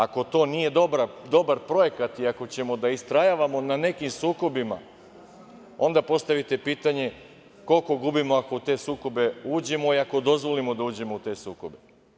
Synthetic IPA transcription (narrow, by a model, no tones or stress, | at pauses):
ako̞t̪o̞ːnije̞d̪o̞bɾad̪o̞baɾpɾoje̞kat̪iako̞t͡ɕe̞mo̞d̪aist̪ɾajaʋamo̞nane̞kimsuːko̞bima̰ | o̞̰nd̪apo̞st̪aʋit̪e̞piːt̪aɲe̞ | ko̞lko̞ɡubimo̞ako̞ut̪e̞ːsuːko̞be̞uːd͡ʑe̞mo̞iako̞d̪o̞zʋo̞limo̞d̪auːd͡ʑe̞mo̞ut̪e̞ːsuːko̞be̞